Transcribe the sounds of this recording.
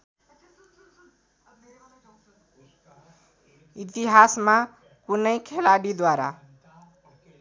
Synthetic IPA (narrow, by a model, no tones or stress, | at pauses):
it̪iɦasma | kunəjkʰelaɽid̪waɾa̰